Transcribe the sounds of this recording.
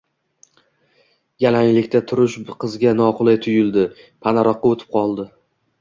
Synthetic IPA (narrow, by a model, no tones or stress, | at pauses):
ɡʲalaŋlɪkʲt̪ʰat̪ʰʊɾɪʃqʰɨzɡʲanɒqʰʊlˠajt̪ʰʊjʊld̪ɪ | pʰanaɾɒqːɑot̪ʰɪ̥p̚qʰɒlˠd̪ɪ